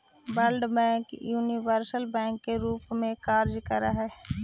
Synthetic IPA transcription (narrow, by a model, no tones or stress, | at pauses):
bəlɖbɛ̃ːŋkjuːniʋəɾsəlbɛ̃ːŋkːeɾuːpmẽkaːɾd͡ʒkəɾaɦɛː